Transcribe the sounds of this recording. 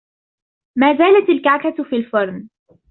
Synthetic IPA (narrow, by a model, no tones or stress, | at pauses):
maːzaːlat̪alkaʕkat̪fiːlfɑɾˤn